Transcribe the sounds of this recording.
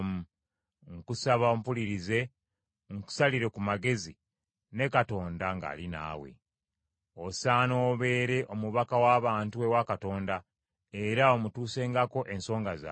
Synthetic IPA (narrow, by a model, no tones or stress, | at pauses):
mu | ŋkusaβaompuliɾize̞ | ŋku̥saliɾe̞kumaɡe̞zi | ne̞kato̞ːndaŋɡa̰ːlina̰ːwe̞̰ | osaːnoːβe̞ːɾe̞ʔo̞muβakawaːβaːntuwewakato̞ːnda | e̞ɾao̞mutuːse̞ːŋɡako̞ʔe̞nso̞ːŋɡaza̰